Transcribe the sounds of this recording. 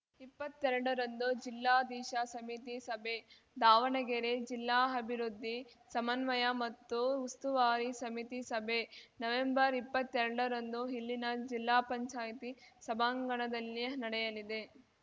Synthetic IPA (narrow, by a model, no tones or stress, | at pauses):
ipːɐt̪ːɛɾɐɽɐɾɐnd̪ud͡ʒilːaːd̪iːʃɐsɐmit̪isɐbʱe̞ | d̪aːʋɐɳɐɡeɾed͡ʒilːaːɐbʱiɾud̪ʱːisɐmɐnʋɐjɐmɐt̪ːuːst̪uʋaːɾisɐmit̪isɐbʱenɐʋembɐɾipːɐt̪ːɛɾɐɽɐɾɐnd̪uɦilːinɐd͡ʒilːaːpɐɲt͡ʃaːjt̪isɐbʱaːŋɡɐɳɐd̪ɐlːinɐɽɛjɐlid̪e̞